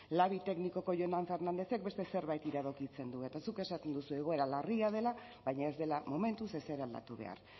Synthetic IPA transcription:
laβit̪e̞kniko̞ko̞ʝonaɱfe̞rnand̪e̞θe̞k̚be̞st̪ese̞ɾβajt̪iɾaðo̞kit͡se̞nd̪ue̞t̪asuke̞sat̪e̞nd̪usueɣ̞o̞e̞ɾalariað̞e̞la | βajɲae̞zd̪e̞lamo̞me̞nt̪use̞seɾald̪a̰t̪uβe̞̰a̰ɾ

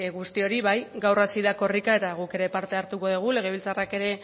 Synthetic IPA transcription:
ɣust̪io̞ɾiβajɡawrasiðako̞rikae̞t̪aɣuke̞ɾe̞paɾt̪e̞aɾt̪uko̞ðeɣ̞ule̞ɣ̞e̞β̞ilt͡sarake̞ɾe̞

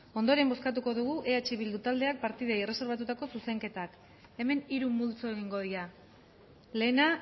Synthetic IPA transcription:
o̞nd̪oɾe̞mbo̞skat̪uko̞ðuɣ̞uʔe̞at͡ʃeβild̪ut̪ald̪e̞ak̚paɾt̪ið̞aire̞se̞ɾβ̞at̪̬ut̪ako̞suse̞ŋke̞t̪ak | e̞me̞niɾumult͡soe̞ɣiŋɡo̞ðiɾa | le̞ːna

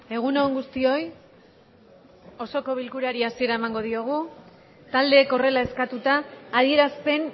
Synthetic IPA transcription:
e̞ɣ̞uno̞ŋɡust̪io̞j | o̞so̞ko̞β̞ilkuɾaɾiasieɾae̞maŋɡo̞ð̞io̞ɣ̞u | t̪ald̪e̞ːko̞re̞lae̞skat̪ut̪aːðie̞ɾaspe̞n

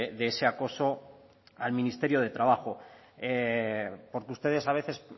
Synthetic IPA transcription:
ðeese̞ako̞so̞ | almĩnist̪e̞ɾjo̞ð̞e̞t̪ɾaβaxo̞ | e | po̞ɾkeust̪e̞ðe̞saβ̞e̞θe̞s

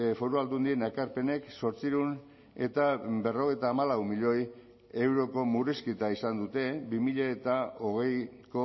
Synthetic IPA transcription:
fo̞ɾuald̪und̪ie̞nekaɾpe̞ne̞kso̞ɾt͡siɾun | e̞̰t̪abe̞ro̞ɣejt̪aːmalawmiʎo̞j | e̞wɾo̞ko̞muriskit̪aisand̪ut̪e̞bimiʎaet̪ao̞ɣ̞e̞jko

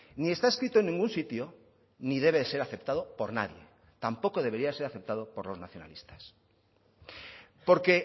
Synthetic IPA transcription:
nie̞st̪aeskɾit̪oe̞nːĩŋɡunsit̪jo | niðe̞βeðese̞ɾaθe̞pt̪að̞o̞po̞ɾna̰ðje̞̰ | t̪ampo̞ko̞ðe̞βe̞ɾiase̞ɾaθe̞p̚t̪að̞opo̞ɾlo̞znaθjona̰list̪ḁs | po̞ɾke̞

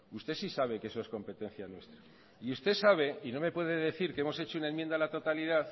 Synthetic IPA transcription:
ust̪e̞sisaβ̞e̞kee̞so̞e̞sko̞mpe̞t̪ẽ̞n̟θjanwe̞st̪ɾa | iust̪e̞saβ̞e̞ino̞me̞pwe̞ðe̞ðe̞θiɾkeemo̞se̞t͡ʃounaenmjẽnd̪alat̪o̞t̪aliðaθ

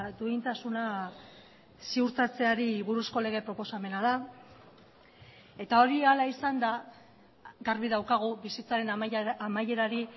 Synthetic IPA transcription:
d̪uint̪asuna | siuɾt̪at͡se̞aɾiβuɾusko̞le̞ɣ̞e̞pɾo̞po̞same̞naða | e̞t̪ao̞ɾialaisand̪a | ɣaɾβiðawkaɣ̞uβisit͡saɾe̞namaje̞ɾaɾi

